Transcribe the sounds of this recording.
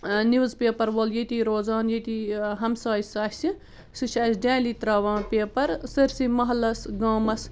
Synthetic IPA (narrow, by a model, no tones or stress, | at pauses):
niʋzpʲeːpɐɾʋoljet̪iɾoːzaːnjet̪iɦɐmsaːjisaːsʲi | sɨʃaːsdʲaːlit̪ɾaːʋãːpeːpɐɾsɐɾsimɐɦlɐsɡaːmɐs